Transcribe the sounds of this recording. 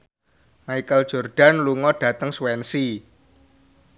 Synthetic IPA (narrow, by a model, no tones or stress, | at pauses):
maikəld̥ʒ̥ɔ̤rɖ̥a̤nluŋɔɖ̥ä̤t̪əŋswɛnsi